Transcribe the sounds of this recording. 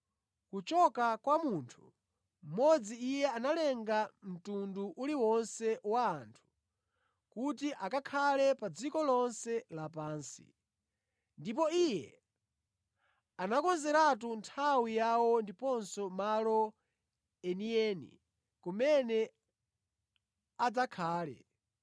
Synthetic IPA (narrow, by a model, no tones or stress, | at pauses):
kut͡ʃɔkakwamuntʰu̥ | m̩mɔd͡ziːjɛanalɛŋɡam̩tunduʔuliwɔnsɛwaːntʰu̥ | kutiʔakakʰalɛpad͡zikɔlɔnsɛlapaːnsḭ | ndip̬ɔijɛ̰ | anakɔnzɛɾat̬untʰawijawɔndipɔnsɔmalɔ | ɛniɛnḭ | kumɛnɛ | ad͡zakʰaːlɛ̰